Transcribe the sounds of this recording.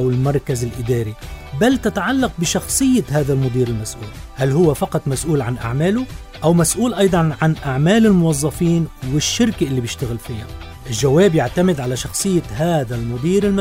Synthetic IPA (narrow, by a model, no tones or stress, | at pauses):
awɪlmɑɾˤkazɪlʔɪd̪aːɾibalt̪ɪt̪aʕalːɑq̚bɪʃɑxsˤɨjːahaːðalmʊd̪ˤiːɾɪlmasʔuːlhalɦʊwːafɑqɑt̪ˤmasʔuːlʕanʔa̰ʕmaːlʊ | ʔawmasʔuːlʔɑjd̪ˤɑnʕanʔaʕmaːlɪlmʊwɑzˤːɑfiːnwɪʃːɪɾkaʔɪlːibjɪʃt̪aɣɪlfiːha̰ | ʔɪlʒaweːbjaʕt̪amɪd̪ʕalaʃɑxsˤɨjːaɦaːðalmʊd̪ˤiːɾɪlma